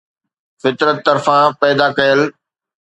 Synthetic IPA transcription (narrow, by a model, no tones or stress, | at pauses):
fɪt̪ɾət̪ːɐɾfãpɛːd̪akɐjəl